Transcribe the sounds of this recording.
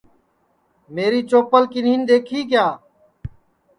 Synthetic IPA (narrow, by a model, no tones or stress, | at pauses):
meːɾiːt͡ʃoːpəlkɪniːnd̪eːkʰiːkjaː